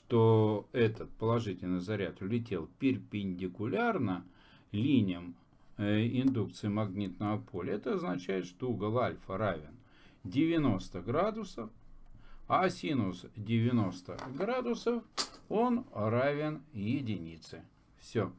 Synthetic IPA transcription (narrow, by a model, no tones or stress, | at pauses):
ʂt̪oɛt̪ət̪̚pəlˠɐʐɨtʲɪlʲnɨjzɐɾʲat̪ʊlʲɪt̬ʲe̞lˠpʲɪrʲpʲɪnʲdʲɪkʊlʲarnə | lʲinʲɪjəm | ɪnd̪uk̚t̪sɨɪmɐɡnʲit̪nəvəpʰo̞lʲɪɛt̪əɐznɐt͡ɕæjɪt̪ʂt̪ouɡəlˠalʲfəɾavʲɪn | dʲɪvʲɪno̞st̪əɡɾad̪ʊsəf | asʲinʊsdʲɪvʲɪno̞st̪ə̰ɡɾad̪ʊsəfo̞nravʲɪnjɪdʲɪnʲit̪sɨ | fsʲo